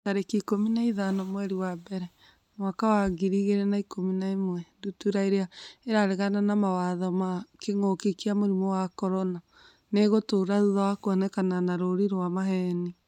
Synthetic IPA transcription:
taɾekikominaiðanɔmwɛɾiwabɛɾɛ | mwakawaɣiɾiɣeɾenaikominaemwɛdutuɾaeɾeaeɾaɾeɣananamawaðɔmakeŋokekiamoɾimɔwakɔɾɔna | neɣotoːɾaðuðawakwɔnɛkananaɾoɾiɾowamaɦɛni

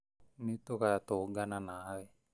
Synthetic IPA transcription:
nit̪ukat̪oɡananawe

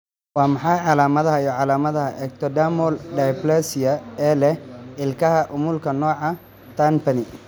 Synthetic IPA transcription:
wɑːmɑħɑjʕɑlaːmɐðɐɦɐijɔʕɑlaːmɐðɐɦɐʔɛːɡ̚t̪ʰɔd̪aːmɔlɖ̪ajplɛsɪjɐɛːlɛɪlkʰɐɦɐʔʊmʊlkʰɐnɔːʕɑ | t̪ʰanpɐnɪ

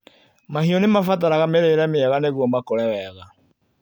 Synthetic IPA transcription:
mahiɔnemafat̬aɾaɣameɾeːɾɛmeɛɣaneɣwɔmakoɾɛwɛɣa

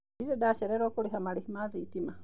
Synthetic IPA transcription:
iɾedaʃeɾeɾokuliɦamalihimaðitima

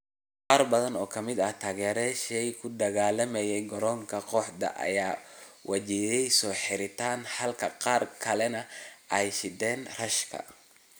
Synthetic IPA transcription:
qɑːrbɐðɐnɔːkʰɐmɪd̪ɐht̪ʰaːɣɛːɾɛʃɛjkʰʊd̪ɐɣaːlɐmɛjɛjɡɔɾɔːŋkʰɐqɔħd̪ɐ̰ʔɐ̰jaːwʔɐt͡ʃijɛjsɔːħɪɾɪt̪ʰaːnħɐlkʰɐqɑːrkʰɐlɛnɐʔɛjʃɪd̪ɛːnrɐʃkʰɐ̰

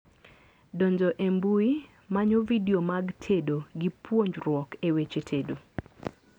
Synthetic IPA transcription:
doɲd͡ʒɔʔembui | maɲovidiomaɡtʰedoɡipwoɲd͡ʒɾwɔkewet͡ʃetʰedo

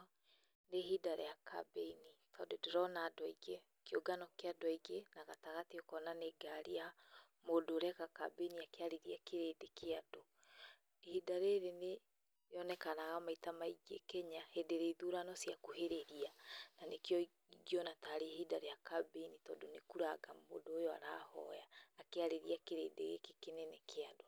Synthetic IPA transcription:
neɦidaɾḛjakʰa̰bɛinitʰɔːndodeɾɔnaːdwɔiɡe | keoɡanɔkeadwiɡenaɣataɣatiɔkɔnaneɡaɾiamodoːɾɛkaka̰beiniakeaɾeɾiakeɾedekeado | ehidaɾeɾene | jɔnɛkanaɣamaitamaiɡekɛɲahedeɾeiðuɾanɔsjakoheɾeɾiananekeɔ | iɡiɔnataɾehidaɾejakabenitɔːndonekuɾaɣamo̰doːjɔa̰ɾaːhɔ̰jaːkeaɾeɾiakeɾḛːdḛɣḛkekenenekʰeadwa

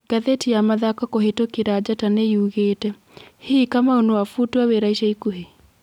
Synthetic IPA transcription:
ɡaðetiamaðakakoɦetokiɾad͡ʒataneiuɣetɛ | hekamaonowafutwaweɾaiʃaikuɦe

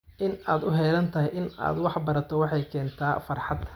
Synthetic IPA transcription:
ʔɪnaːd̪ʊɦɛːlɐnt̪ʰɐɦɪjʔɪna̰ːd̪wɑħbɐɾɐt̪ʰɔwɑħɑjkʰɛːnt̪ʰaːfɐrħɑd̪

